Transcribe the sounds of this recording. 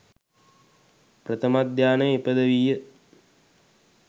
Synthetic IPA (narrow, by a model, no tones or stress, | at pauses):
prət̪ʰəmad̪jaːnəepəd̪əʋijə